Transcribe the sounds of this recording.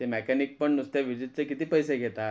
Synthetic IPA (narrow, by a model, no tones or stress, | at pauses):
emɛkɛnik̚pəɳnust̪eʋid͡ʑit̪̚t͡sekit̪iːpəjseɡʱet̪a